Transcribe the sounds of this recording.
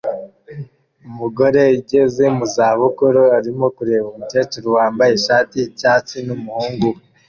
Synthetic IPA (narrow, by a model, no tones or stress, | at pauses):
umuɡo̞ɾe̞iɟe̞ze̞muzaːβukuɾoaɾimo̞kuɾe̞βomute̞ːt͡ʃuɾuwaːmbajeʃaːticaːt͡sinumuhuːŋɡu